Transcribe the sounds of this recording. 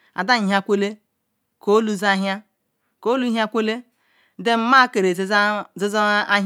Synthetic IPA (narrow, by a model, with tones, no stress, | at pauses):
a̰˨da˦ɲ˨ɦa˦˨kʷe˦le˦ | ko˨˦lu˦za˦ɦa˦ | ko˦lu˦ɦja˦kʷe˦le˦ | de˦m̩˦ma˦ke˨ɾe˨zzi˦za˦a˦ɦ